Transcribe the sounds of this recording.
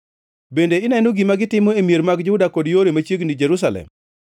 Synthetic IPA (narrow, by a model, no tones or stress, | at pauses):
bendeɪnɛnoɡimaɡɪtɪmɔemieɾmaɡd͡ʒʊdakɔdjoɾemat͡ʃjeɡnid͡ʒeɾus̬alɛ̰m